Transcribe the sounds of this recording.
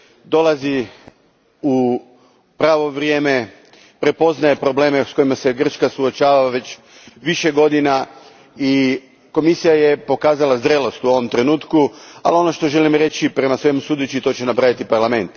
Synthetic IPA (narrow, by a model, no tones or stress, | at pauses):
d̪o̞lazi | u | pɾaːʋo̞ʋɾje̞ːme̞ | pɾe̞po̞znaje̞pɾo̞ble̞ːmesko̞imase̞ɡr̩t͡ʃkasuot͡ʃaːʋaʋe̞t͡ɕ | ʋiʃe̞ɡo̞d̪ina | i | ko̞misijaje̞po̞kaːzalazd̪ɾe̞lo̞st̪uo̞ʋo̞mt̪ɾe̞nuːt̪kua̰lio̞no̞ʃt̪o̞ʒe̞limɾe̞t͡ɕipɾe̞masʋe̞musuːd̪et͡ɕit̪o̞t͡ɕenapɾaʋit̪ipaɾlˠame̞nt̪